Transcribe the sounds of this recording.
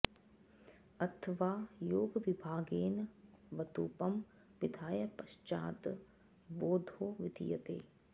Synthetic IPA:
ɐt̪ʰʋaːjoːɡʋibʱaːɡeːnʋɐt̪uːpɐm | ʋid̪ʱaːjɐpɐʃt͡ʃa̰ːt̪ | boːd̪ʱoːʋid̪ʱḭjɐt̪ḛː

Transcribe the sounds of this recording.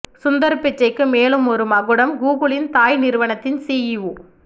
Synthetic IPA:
sʊnd̪ɐɾpːɪt͡ʃːɐɪkːɯmeːlɯmɔɾɯmɐɣɯɽɐmɡuːɣɯɭɪnt̪aːjnɪɾɯʋɐɳɐt̪ːɪnsiːjɪʋu

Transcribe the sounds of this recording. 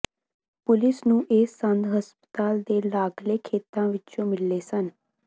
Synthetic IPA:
pʊlɪsnũːʔeːsənd̪ɦəspə̥t̪aːld̪eːlaːɡleːkʰeːt̪ãːʋɪt͡ʃõːmɪlːeːsən

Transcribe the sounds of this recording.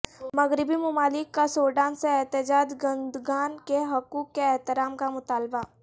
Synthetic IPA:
mɐɣɾɪbimʊmaːlɪkːasoːɖaːnseɛɦt̪ɪd͡ʒaːd͡ʒ̪ɡɐ̃nd̪ɡaːnkeɦɐkuːkːeɛɦt̪ɪɾaːmkamʊt̪aːlba

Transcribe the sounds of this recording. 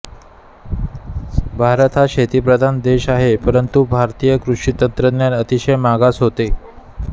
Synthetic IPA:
bʱaɾət̪ʰaɕet̪ipɾəd̪ʱand̪eɕaɦepəɾənt̪ubʱaɾt̪ijəkɾuʂit̪ənt̪ɾəd̪njanət̪iɕəjmaɡasɦot̪e

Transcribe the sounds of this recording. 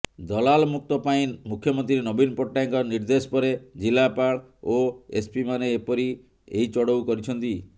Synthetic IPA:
d̪ɔlalmuk̚t̪ɔpaĩmukʰjɔmɔnt̪ɾiɾenɔbinpɔʈːajŋkɔɾniɾd̪esɔ̥pɔɾed͡ʒilapaɽ | oespimaneːpɔɾi | eɦit͡ʃɔɽowkɔɾit͡ʃʰɔnt̪i

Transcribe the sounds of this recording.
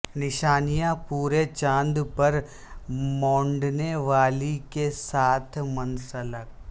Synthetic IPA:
nɪʃaːnijãpuːɾet͡ʃãːnd̪pɐɾ | mɔ̃ːɳɖneʋaːlikesaːt̪ʰmɐnsələk̚

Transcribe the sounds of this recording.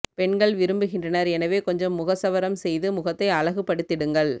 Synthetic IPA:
pɛɳɡɐɭʋɪɾɯmbɯɣɪndrɐnɐɾɛnɐʋeːkɔɲd͡ʒɐmːʊɣɐsɐʋɐɾɐmsɛjðɯmʊɣɐt̪ːɐɪɐɻɐɣɯpːɐɽɯt̪ːɪɽɯŋɡɐɭ

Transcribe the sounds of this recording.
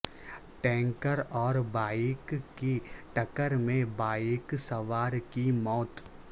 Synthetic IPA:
ʈɛ̃ːŋkəɾɔːɾbaːikkiʈɐkəɾmẽbaːiksɐʋaːɾkimɔːt̪

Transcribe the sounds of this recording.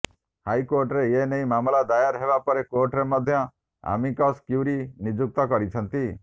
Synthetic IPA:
hajkoɾʈɾeenejmamlad̪ajaɾɦebapɔɾekoɾʈɾemɔd̪ʱjɔ | a̰mikɔskjuwɾinid͡ʒuk̚t̪ɔkɔɾit͡ʃʰɔnt̪i

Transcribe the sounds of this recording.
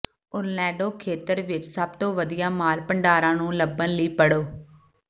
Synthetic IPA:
ʊɾlɛ̃ːɖoːkʰeːt̪əɾʋɪt͡ʃsəbt̪õːʋəd̪ijaːmaːlpəɳɖaːɾãːnũːləbənləiːpəɽoː

